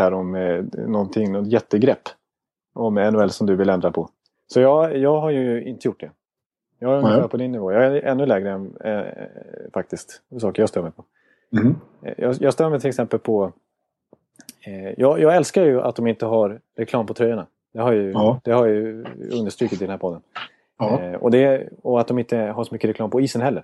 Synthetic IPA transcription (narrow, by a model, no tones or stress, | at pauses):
æːɾɔmnɔnt̪ʰɪŋːnɔt̪jɛt̪ːəɡɾɛpː | ɔmɛnːʊɛlːsɔmd̪ɵvɪlɛnd̪ɾapʰɔ | sɔjɑːjɑːɡɦaɾjɵɪ̰nt̪əjʊʈ̚ːɖɛ | jɑːhaj̪pʰɔd̪ɪnːɪvoːjɑːɡæʔɛnːɵlɛːɡɾəɛnɛ̰ | fak̚t̪ɪskt̪sɑːkəɾjɑːst̪œːmɛpʰɔ | jɑjɑːst̪œːmɛt̪ʰɪlɛksɛmpəlpʰɔ | jɑːjɑːɡɛlskaɾjɵa̰t̪̚d̪ɔmɪnt̪əɦaɾɾɛkʰlɑːmpʰɔt̪ʰɾœjːaɳa | d̪̥ɛhaɾjad̪ɛhaɾjajɵnd̪əʂʈ̪ɾyːkɪt̪ɪd̪ɛnæɾpʰɔd̪ːən | ɔ̰d̪ɛɔat̪d̪ɔmɪnt̪əɦaʂɔmʏkːəɾɛkʰlɑːmpʰɔiːsənhɦɛlːəɾ